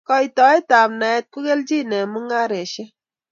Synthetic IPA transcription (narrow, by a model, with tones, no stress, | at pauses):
kɔ˦i˨tɔ˨ɛ˦ta˨pna˨ɛ˦t̚ku˦ke˦ld͡ʒi˦˨nɛ˨mu˦ŋa˦ɾe˨ʃe˦